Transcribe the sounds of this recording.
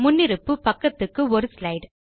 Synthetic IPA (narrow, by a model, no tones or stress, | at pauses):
mʊnːɪɾɯpːɯpɐkːɐt̪ːɯkːɯɔɾɯslɐɪɽ